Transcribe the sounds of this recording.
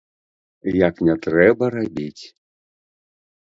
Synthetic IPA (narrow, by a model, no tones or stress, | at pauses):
jaknʲɛt̪ɾɛbɐɾabʲit͡sʲ